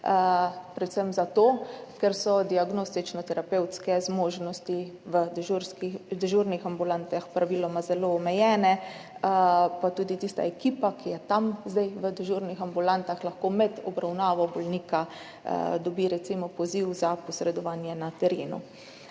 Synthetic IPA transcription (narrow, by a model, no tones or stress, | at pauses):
pɾɛt̪səmzat̪oːkɛɾsɔd̪iaɡnoːst̪it͡ʃnɔt̪ɛɾapewt̪skɛzmoːʒnɔst̪iʋəd̪ʒuɾskid̪ɛʒuɾnixambulant̪axpɾaʋilɔmazɛloːmɛjɛːnɛ | pat̪uːd̪it̪ist̪a̰ɛkiːpakijɛt̪amzd̪ajʋəd̪ɛʒuːɾnixambulant̪axlaxkomɛd̪ɔbɾawnaːʋɔbɔlniːka̰ | d̪ɔbiɾɛt̪simɔpɔziwzapɔsɾɛd̪ɔʋaːnjɛnat̪ɛɾeːnṵ